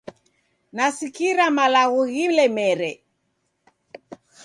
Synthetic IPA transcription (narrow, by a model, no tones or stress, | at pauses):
nasikiɾamalaɣuɣilɛmɛɾɛ